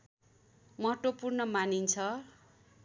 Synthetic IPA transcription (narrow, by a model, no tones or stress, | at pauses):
mʌʈopurnʌmanint͡sʰʌ